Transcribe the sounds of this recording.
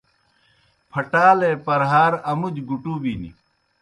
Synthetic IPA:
pʰɐʈaːleːpɐɾɦaːɾɐmud͡ʑɡuʈuːbiːnḭ

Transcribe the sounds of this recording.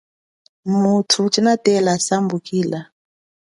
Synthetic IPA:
mutʰut͡ʃʼinatɛlasambukiːla

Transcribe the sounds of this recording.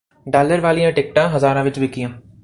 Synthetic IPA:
ɖaːləɾʋaːlijãːʈeːk̚ʈãɦɐzaːɾãʋɪt͡ʃʋɪkijãː

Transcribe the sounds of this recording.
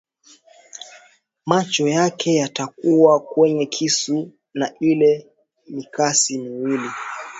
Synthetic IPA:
mat͡ʃɔjakɛjatakuwakwɛɲɛkʰisu | nailɛ | mikasimiwili

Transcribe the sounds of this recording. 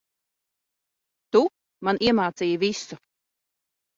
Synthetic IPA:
t̪u | manʔiɛmaːt̪sijvisu

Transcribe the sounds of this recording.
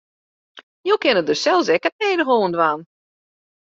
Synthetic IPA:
jowkɪnədøsɛlˠsɛkət̚nɛːdəɦoːəndʋan

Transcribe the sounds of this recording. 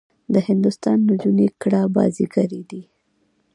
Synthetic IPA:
d̪əhɪnd̪ʊst̪ɑnːəd͡ʒunekɽabɑ̰ziɡaɾid̪i

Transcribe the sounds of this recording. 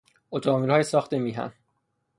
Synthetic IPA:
ot̪ʰɔmilhɒːjesɒːxt̪emiːɦæ̰n

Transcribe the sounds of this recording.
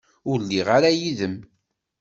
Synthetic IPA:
ʊɾlːiʁaɾajiðəm

